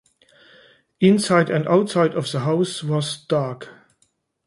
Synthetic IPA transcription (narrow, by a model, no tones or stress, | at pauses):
ɪ̃nsaɪdæ̃ndaʊtsaɪdʌvðəɦaʊswɔzd̥aɹk